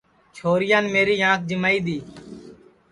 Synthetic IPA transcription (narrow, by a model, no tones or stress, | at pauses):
t͡ʃʰoːɾɪjãːnːmeːɾiːɦãːk̚d͡ʒɪmaːiːd̪iː